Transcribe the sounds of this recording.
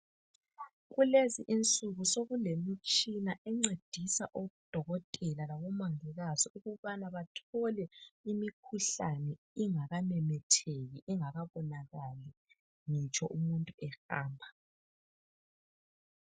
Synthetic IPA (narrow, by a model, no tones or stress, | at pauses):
ɣuleziʔint͡sʼuɣusoɣulemit͡ʃʼinaʔɛŋ͡ǀed̥ʱisa̰ʔoɣud̥ʱɔɣɔtʼɛlalaɣɔmaŋiɣazɔuɣuβanaβatʰɔlɛimikʰuɬanɛ | iŋaɣamɛmɛtʰeɣiʔiŋaɣaβɔnaɣali | ŋit͡ʃʰʼɔʔumuntʼuʔɛxaːmbʱa